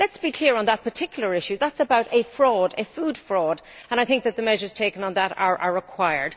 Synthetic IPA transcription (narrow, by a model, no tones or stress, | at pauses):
lɛtsb̥ikʰl̥ɪəɹə̃nðət̚pʰə˞tʰɪkʰjl̩ˠə˞ɪʃʉðætsəbaʊɾəfɹɔːdəfuːd̥fɹɔːdə̃ñaɪθɪ̃ŋk̚ðət̪̚ðəmɛʒə˞z̥tʰeɪkə̃nə̃nðəɾə̰˞ʔəɹəkʰw̥aɪə̰˞d̥